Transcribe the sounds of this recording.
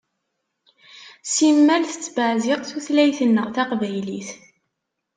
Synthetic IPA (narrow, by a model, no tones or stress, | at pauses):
simːælθə̥t͡sːbəʕzɪʁθuθlæjθənːəʁθaqvæjliθ